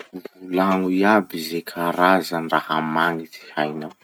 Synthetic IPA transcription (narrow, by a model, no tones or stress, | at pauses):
ulaŋuiabizekʰaɾazanirahamaŋiti̥hajnaw